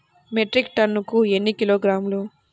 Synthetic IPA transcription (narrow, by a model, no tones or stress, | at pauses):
meʈɾikʈɐnːukuenːikiloːɡɾaːmlu